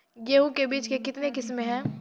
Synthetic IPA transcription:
jeːɦukebiːt͡ʃkekɪt̪nekɪsmeɦɛ̃ː

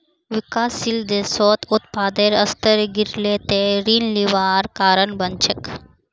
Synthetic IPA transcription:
ʋikaːsild̪eːsoːt̪ut̪̚paːd̪eɾɐst̪əɾɡiɾleːt̪eɾiːnliʋaːɾkaːɾənbɐnt͡ʃʰɐk

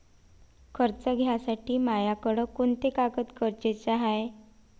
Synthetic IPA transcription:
kʰəɾt͡səɡʱjasaʈiːmajakəɽəkoɳt̪ekakət̪kəɾt͡ɕet͡saɦaj

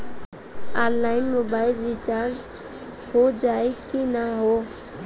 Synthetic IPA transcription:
aːnlaːɪnmoːbaːɪlɾit͡ʃaːɾd͡ʒ | hod͡ʒaːekʰinaɦoː

